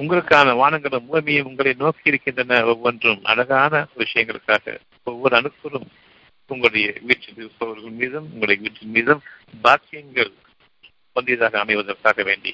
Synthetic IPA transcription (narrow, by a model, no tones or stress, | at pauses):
ʊŋɡɐɭɯkːaːnɐʋaːnɐŋɡɐɭɯmuɣɐmɪjɐmʊŋɡɐɭɐɪnoːkɪɪɾɯkːɪndrɐnɐɔʋːɐndrɯmʔɐ̰lɐɣaːnɐʋɪʂɐjɐŋɡɐɭɯkːaːɣɐ̰ | ɔʋːɔɾɯɐnɯpːɯrɯm | ʊŋɡɐɭɯɽɐjɐʋiːʈrɯðɯsɔʋɐɾɣɐɭmiːðɐmʊŋɡɐɭɯɽɐjɐʋiːʈrɪnmiːðɐm | baːkːɪjɐŋɡɐɭ | pɐnd̪ɪjɐðaːɣɐːmɐɪʋɐðɐrkaːɣɐʋḛːɳɖḭ